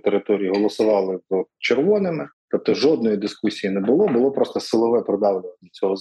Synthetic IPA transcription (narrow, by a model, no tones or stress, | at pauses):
t̪eɾɪt̪ɔɾʲiiɦɔlˠɔsʊʋɑlˠɪzt͡ʃerʋɔnɪmɪt̪ɔp̚t̪ɔʒɔd̪̚nɔjid̪ɪskusʲijinɛbʊlˠɔbʊlˠɔpɾɔst̪ɐsɪlˠɔʋɛpɾɪd̪ɑwlʲɪʋɐnʲːɐt͡sʲɔɦɔz